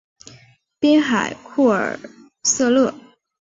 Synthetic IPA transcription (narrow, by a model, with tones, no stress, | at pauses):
pi˥nxa˨˩ɪkʰu˥˩ə̰˞˨˩ | sɤ˥˧lɤ˥˩